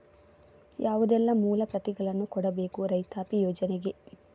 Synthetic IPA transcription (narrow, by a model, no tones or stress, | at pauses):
jʔaːʋud̪ɛlːɐmuːlɐpɾɐt̪iɡɐɭɐnːukɔɽɐbe̞ːkuɾɐjt̪aːpijɔːd͡ʒɐneɡe̞